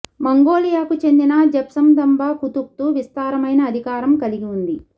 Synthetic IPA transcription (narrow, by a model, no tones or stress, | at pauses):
mɐŋɡoːlijaːkut͡ʃe̞nd̪inɐd͡ʒɛpsɐmd̪ɐmbaːkut̪uk̚t̪uʋist̪aːɾɐmɐjnɐːd̪ʱikaːɾɐmkɐliɡiund̪i